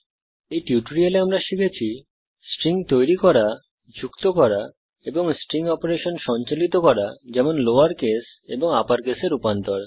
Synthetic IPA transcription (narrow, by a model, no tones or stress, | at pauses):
ejʈjuʈoɾialeamɾaʃiɡʰʱet͡ɕʰi | sʈɾiŋt̪ojɾikɔɾa | d͡ʑukt̪okɔɾa | eboŋsʈɾiŋɔpoɾeʃonʃɔnt͡ɕalit̪okɔɾad͡ʑɛmonloaɾkes | eboŋapaɾkeseɾupant̪oɾ